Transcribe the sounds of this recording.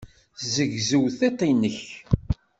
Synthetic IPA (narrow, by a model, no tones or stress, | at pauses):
zəʝzəwθet̪ˤːinːəç